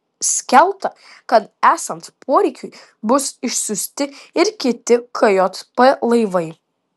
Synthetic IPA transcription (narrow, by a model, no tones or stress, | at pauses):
sʲkʲɛlˠt̪ɐ | kɐt̪æːsɐnt̪pʰoɔɾʲɛɪkʲʊɪ | bʊsɪʃsʊsʲt̪ʲɪɪɾkʲɪt̪ʲɪkʰɐjoːt̪pɛlˠɐɪʋɐɪ